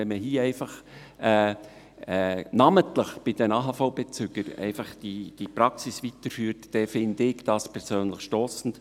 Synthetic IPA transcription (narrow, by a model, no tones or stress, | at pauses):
ɛnməɦiːɛɪfɑχ | ɛː | ɛnɑːməntləχb̥ɪd̥ɛnɑːɦɑfɔʊbet͡sʏɡ̥əɾɛ̰ɪfɑχd̥id̥ipɾɑksisʋit̪əɾfyːɾtd̥ɛfɪndɪɡd̥ɑspʰɛɾsøːnləχʃtoːsn̩t